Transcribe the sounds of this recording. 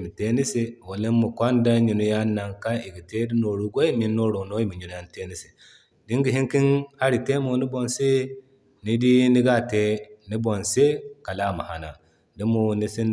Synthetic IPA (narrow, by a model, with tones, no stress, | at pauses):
mi˨te˦ni˦se˦wo˨le˦mu˨kʷa˦n˦da˦ɲi˨nu˦ja˦na˨ŋka˦i˨ɡi˨te˦di˦no˨ɾu˦ɡʷo˦i˦mi˨˦nːo˦ɾo˨no˦ji˦mi˨ɲu˨nu˦a˦n˦te˦ni˦si˨ | di˦ŋɡi˨ɦi˦ŋki˦nha˦ɾi˨te˦mo˨ni˦bo˨nse˦ | ni˦di˦ni˦ɡa˦˨te˦ni˦bo˨nse˦ka˨la˦ma̰˨ha˨na˨ | di˦mo˨ni˦si˦n